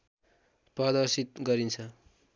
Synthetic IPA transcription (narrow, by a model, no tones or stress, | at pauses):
prʌd̪ʌrsit̪̚ɡʌɾint͡sʰʌ